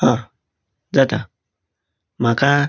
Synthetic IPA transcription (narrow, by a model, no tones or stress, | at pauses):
hã | d͡zat̪a | m̤aka